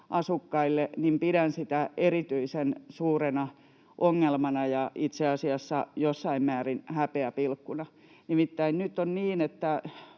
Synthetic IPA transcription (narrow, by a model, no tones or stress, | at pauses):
ʔɑsukːɑilːenimpiɾænsit̪æerit̪yisensuːrenɑ | ʔoŋːelmɑnɑjɑʔit̪seɑsiɑsːɑjosːɑimmæːrinhæpeæpilkːunɑ | nimit̪ːæinnyt̪ːˑonniːnet̪ːæ